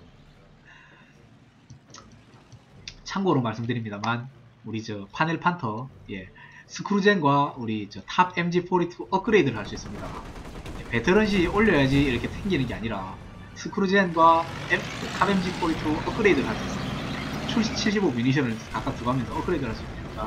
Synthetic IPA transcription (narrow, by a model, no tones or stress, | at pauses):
t͡ɕʰaŋɡoɾomaɭs͈ɯmdɯɾimɲidamanuɾid͡ʑʌpʰaneɭpʰantʰʌje̞sʰɯkʰɯɾud͡ʑenɡwauɾit͡ɕʌtʰabemd͡ʑipʰoɾitʰuʔʌkʰɯɾeidɯɾɯɭhaɭs͈uis͈ɯmɲida̰je̞pe̞tʰɯɾʌnɕ̬ʰioʎːʌjad͡ʑiːɾʌkʰe̞sʰeŋɡinɯnɡe̞aɲiɾa | sʰɯkʰɯɾud͡ʑenɡwaetʰabe̞md͡ʑipʰoɾitʰuʌk͈ʰɯɾe̞dɯɾɭhaɭs͈uis͈ɯmɲdiaat͡ɕʰuɭɕ͈ʰit͡ɕʰiɭɕ̬ibomjuɲiɕ̬ʰʌnɯɭkak͈ak̚t͈uɡoɦamjʌnsʰʌʌkʰɯɾe̞idɯɭhaɭs͈uisnaɲida